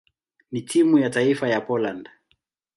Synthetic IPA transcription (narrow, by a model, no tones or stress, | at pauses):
nitʰimujataifajapɔland